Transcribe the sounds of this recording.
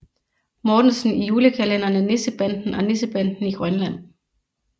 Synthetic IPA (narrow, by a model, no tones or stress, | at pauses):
mɒːd̥n̩sn̩ijuːləkʰælenɐnəne̝səb̥æn̰d̥n̩ɒ̽ne̝səb̥æn̰d̥n̩iɡ̥ʁɶnlæn̰